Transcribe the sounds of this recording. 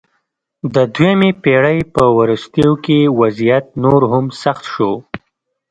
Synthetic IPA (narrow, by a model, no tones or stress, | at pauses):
d̪əd̪wjamepeɽəjpəwaɾəst̪jaokewazijat̪̚noɾɦʊmsaxt̪ʃo